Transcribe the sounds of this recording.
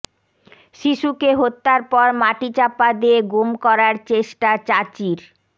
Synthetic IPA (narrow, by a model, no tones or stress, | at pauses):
ʃiʃukeɦot̪ːaɾpɔɾmaʈit͡ɕapːad̪ieɡomkɔɾaɾt͡ɕeʃʈat͡ɕat͡ɕiɾ